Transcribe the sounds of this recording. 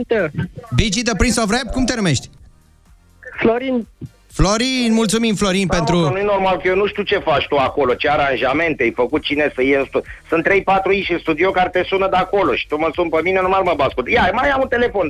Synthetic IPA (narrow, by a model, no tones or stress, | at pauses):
t̪əbid͡ʒid̪əpɾinsovɾebkumt̪e̞nume̞ʃt̪ʲ | floɾin | floɾinmult̪sumimflo̞ɾinpent̪ɾunujeno̞rmalkəjenuʃt̪iut͡ʃe̞fat͡ʃt̪uako̞lo̞t͡ʃeaɾanʒame̞nt̪eejfəkut̪̚t͡ʃinesəjeɨnst̪usɨnt̪ːɾe̞jpat̪ɾuit͡ʃɨnst̪ud̪iokaɾt̪e̞sunəd̪ako̞loʃi̥t̪uməsunpəminenumarməbaskut̪jamaamunt̪ele̞fo̞n